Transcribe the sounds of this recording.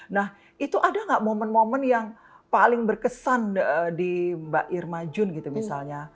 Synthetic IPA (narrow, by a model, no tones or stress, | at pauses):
nah | it̪uʔadaŋɡaʔmomənmomənjaŋ | palɪŋbərkəsanədibaʔɪrmad͡ʒʊnɡit̪umisa̰lɲa